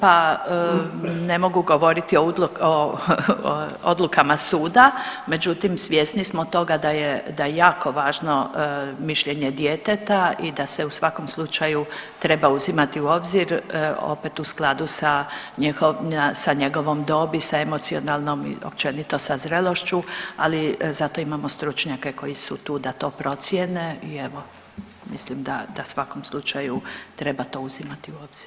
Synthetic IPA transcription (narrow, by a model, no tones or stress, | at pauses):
pa | nemo̞ɡuɡo̞ʋo̞ɾit̪ioo | o̰d̪lukamasuːd̪ame̞d͡ʒut̪imsʋje̞snismot̪o̞ɡad̪ajed̪ajejaːko̞ʋaːʒno̞miʃʎe̞ɲed̪jet̪et̪aid̪aseusʋako̞mslˠut͡ʃajut̪ɾe̞bauzimat̪iuo̞bziɾo̰pet̪usklad̪usaɲixoasaɲe̞ɡo̞ʋo̞md̪o̞ːbisaemot̪sio̞nalˠnomḭo̰p̚t͡ʃe̞nit̪o̞sazɾelo̞ʃt͡ɕualizat̪o̞imamost̪ɾut͡ʃɲake̞ko̞jisut̪uːd̪at̪o̞ːpɾo̞t̪sjeneieʋo | mislimd̪ad̪asʋako̞mslˠut͡ʃajut̪ɾe̞bat̪o̞ːuzimat̪iuoːbz̥iɾ